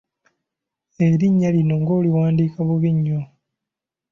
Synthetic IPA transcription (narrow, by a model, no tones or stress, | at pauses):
eɾiɲːalino̞ŋɡo̞ːliwaːndiːkaβuβiɲːo